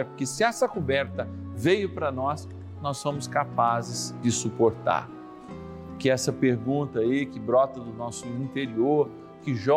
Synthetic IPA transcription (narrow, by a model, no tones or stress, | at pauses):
pʊɾkɪsɪɛsɐkubɛɾt̪ɐvejʊpɾɐnɔs | nɔsːõmʊskapazɪzd͡ʒɪsupoɾt̪a̰ɾ | pʊɾkɪɛsɐpeɾɡũnt̪ɐikɪbɾɔt̪ɐd̪ʊnɔsʊĩnt̪eɾioɾ | kɪʒɔ